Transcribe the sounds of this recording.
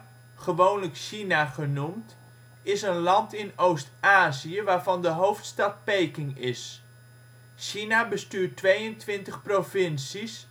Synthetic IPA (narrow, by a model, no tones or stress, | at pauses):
χəʋownləkʃinaχənumt | ɪsənlɑntɪnowstaːzijəʋaːɹvɑndəɦowftstɑt̚pejkɪŋɪs | ʃinabəstyːɹtʋejəntʋɪntəχprovɪnsis